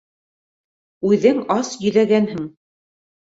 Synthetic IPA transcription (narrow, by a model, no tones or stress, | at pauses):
ʉðɘŋɑsjɵ̆ðæɡænhɘŋ